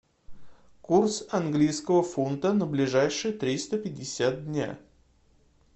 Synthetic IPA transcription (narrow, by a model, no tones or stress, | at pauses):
kursɐnɡlʲijskəvəfont̪ənəblʲɪʐajʂɨjət̪ɾʲist̪əpʲɪdʲːɪsʲat̪̚dʲnʲa̰